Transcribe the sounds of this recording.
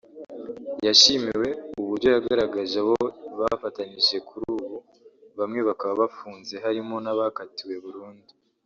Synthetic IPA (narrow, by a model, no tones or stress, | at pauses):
jaʃimiwe̞uβuɾɟo̞jaɡaɾaɡaʒewo̞βafataniʃe̞kʰuɾuːβu | βamŋiːβakaβaβafuːnze̞ɦaɾimo̞naβakatiwe̞βuɾuːndi